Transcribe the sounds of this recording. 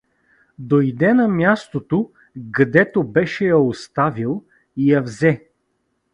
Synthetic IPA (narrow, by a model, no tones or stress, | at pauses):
d̪ojd̪ɛnɐmʲjast̪ot̪o | ɡɐd̪ɛt̪obɛʃɛjɐost̪avilˠ | ijɐvzɛ